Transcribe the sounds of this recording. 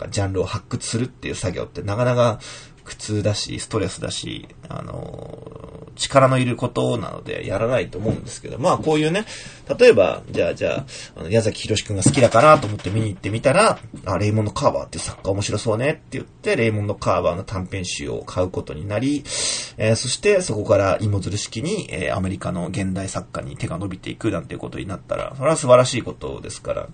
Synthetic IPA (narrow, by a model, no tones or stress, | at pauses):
ka̰d͡ʑãnɾɯ̟o̞hakːɯ̟t͡sɨ̥sɨɾɯ̟t̪ːe̞jɯ̟ːsaɡʲo̞̰ːt̪ːe̞nakanaka | kɯ̟̥t͡sɨːd̪aɕḭsɨ̥t̪o̞ɾe̞sɨd̪a̰ɕḭa̰no̰ | t͡ɕi̥kaɾano̞iɾɯ̟ko̞t̪o̞na̰no̞̰d̪e̞̰jaɾanait̪o̞ːmo̞ɯ̟̃nd̪e̞sɨ̥ke̞d̪o̞maːko̞ːjɯ̟ːne̞t̪at̪o̞e̞ba̰d͡ʑa̰ːd͡ʑa̰ːa̰no̞jazakʲi̥çiɾo̞ɕi̥kɯ̟ŋɡasɨ̥kʲid̪akaɾat̪o̞ːmo̞t̪ːe̞mʲiɲ̟iːt̪ːe̞mʲit̪aɾaaɾe̞imonːo̞kaːba̰ːt̪ːeiɯ̟sakːaomo̞ɕiɾo̞so̞ːne̞t̪ːe̞jɯ̟t̪ːe̞ɾe̞imo̞nːo̞kaːβaːno̞t̪ʰãmpẽ̞ɰ̃ɕɨ̰o̞̰kʰaɯ̟ko̞t̪o̞ɲ̟inaɾʲieso̞ɕi̥t̪e̞so̞ko̞kaɾaʔimo̞zɨɾɯ̟ɕi̥kʲiɲ̟iḛːa̰me̞ɾʲikano̞ɡẽ̞nd̪aisakːa̰ɲ̟ḭt̪e̞ɡano̞bʲit̪e̞ikɯ̟nãnt̪eiɯ̟̰ko̞t̪o̞̰ɲ̟inat̪ːa̰ɾa̰so̞ɾe̞βasɨbaɾaɕiːko̞t̪o̞̰d̪e̞sɨ̥ka̰ɾa̰